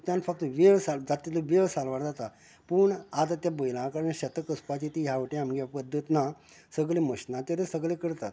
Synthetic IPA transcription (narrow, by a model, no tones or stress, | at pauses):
t̪janfʰək̚t̪əʋeʋsald͡zat̪ːiləʋeʋsalʋaɾd͡zat̪a | puɳat̪at̪jabəjlãkaɾənɕət̪əkəspat͡ɕit̪iɦjaʋəʈĩamɡapəd̪ːut̪na | səɡleməɕnat̪jat̪esəɡlekəɾt̪at̪